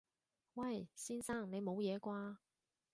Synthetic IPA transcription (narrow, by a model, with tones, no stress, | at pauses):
wɐ˥˩jsiː˥nsaː˥˩ŋne˨˧jmo˨˧wjɛː˨˧kʷwaː˥